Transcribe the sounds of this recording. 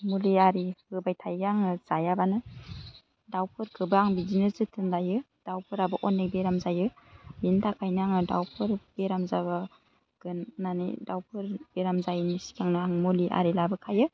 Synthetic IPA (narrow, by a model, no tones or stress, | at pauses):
muliaɾihɯbajtʰajɡaŋɯz̥ajabanɯ | dawpʰɯɾkʰɯbɯaŋbizinɯzɯtʰɯnlajɯ | d̥awpʰɯɾabɯʔɔnːek̚beɾamzajɯbintʰakʰajnɯaŋɯdawpʰɯɾb̥eɾamzaba | ɡ̥ɯnnanḭdawpʰɯɾb̥eɾamzajnisi̥kʰaŋnɯaŋmuliʔa̰ɾilabɯkʰajɯ